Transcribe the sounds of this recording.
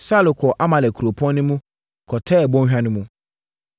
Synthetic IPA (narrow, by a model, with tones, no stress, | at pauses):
saː˦lʊ˨kʰɔ˨ʔa˦mã˨lɛ˨kʰu˨ɾo˨pʰɔ̃˦nʊ̃˦mũ˦ | kʰɔ˨tʰɛ˦˨bɔ̃˦ɦᶣa˦nʊ̃˦mũ˦